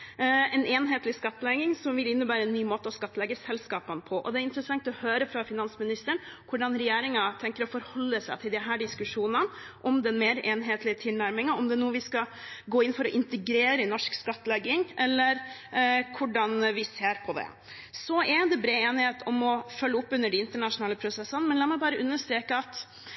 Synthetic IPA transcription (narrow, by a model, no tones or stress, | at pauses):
ɛneːnɦeːt̪lɪskɑt̪ːəlɛɡɪŋsɔmʋɪlɪnːəbæːɾəɛnːyːmoːt̪əɔskɑt̪ːəlɛɡːəsɛlskɑːpənpʰɔʔɔ̰d̪ɛæɾɪnt̪ɾəsɑŋt̪ɔhøːɾəfɾɑfɪnɑnsmɪnɪst̪əɳkʰʊɖɑnɾɛjeːɾɪŋɑt̪ʰɛŋkəɾɔfɔɾhɔlːəsæɪt̪ʰɪld̪ɪɦæːɖɪskʉʂuːnənʔɔmd̪ɛnmeːɾʔeːnɦeːt̪lɪət̪ʰɪlnæɾmɪŋɑɔmd̪ɛnuːəʋɪskɑ | ɡoːɪnːfɔɾɔʔɪnt̪əɡɾeːɾəɪnɔʂkskɑt̪ːəlɛɡːɪŋʔɛlːəɾ | kʰʊɖɑnʋɪseːɾpʰɔd̪ɛ̰ | sɔɛd̪ɛbɾeːeːnɪheːt̪ɔmɔfœlːəʊpːʉnːəɖɪɪnt̪əɳɑʂʊnɑːləpʰɾʊsɛsːənmɛnlɑːmɛɪbɑːɾəʔʉnːəʂt̪ɾeːkəɑt̪